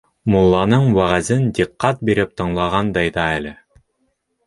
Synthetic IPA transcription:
mulˠːɑnɤɴwæʁæzɘnd̪iqːɑt̪̚biɾɘp̚t̪ɤ̆ɴlˠɑʁɑnd̪ɑjðɑælɘ

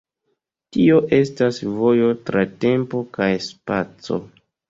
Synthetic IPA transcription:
tio̞ʔe̞stasvo̞jo̞tɾate̞mpo̞kajspat͡so̞̰

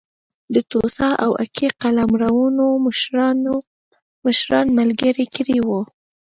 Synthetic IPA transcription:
d̪ət̪osɑʔawa̰kiqalamɾawunon | məʃɾɑnmalɡəɾikɾiwu

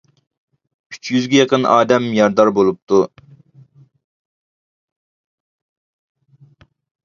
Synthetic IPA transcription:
yt͡ʃʰjyzɡʲɛjɑqənʔɑːd̪ɛmjɑɾd̪ɑɾbolˠup̚t̪ʰu

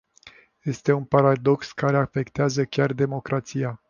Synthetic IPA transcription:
je̞st̪e̞unpaɾad̪o̞kskaɾe̞afe̞kt̪eazəkʲard̪e̞mo̞kɾat̪sija

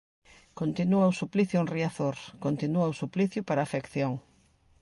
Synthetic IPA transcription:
kont̪inuɐʊsupliθjʊenriaθoɾkont̪inuɐusupliθjʊpaɾaːfekθjoŋ

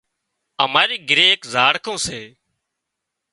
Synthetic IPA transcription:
əmaːɾiːɡɾeːkzaːɽkõːseː

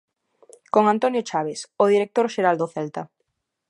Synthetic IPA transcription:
koŋant̪onjot͡ʃaβ̞esʊð̞iɾek̚t̪oɾʃeɾald̪oθɛlt̪a

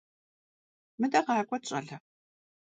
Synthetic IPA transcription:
mɨdɐʁɑːkʷʼɔt͡ʃʼɐ̰ɮɐ

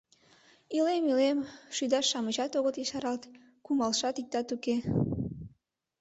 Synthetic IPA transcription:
ilemilemʃyd̪ɑʃːɑməʒɑt̪oɣət̪jeʃɑɾɑlt̪ | kumɑlʃɑt̪ik̚t̪ɑt̪uke

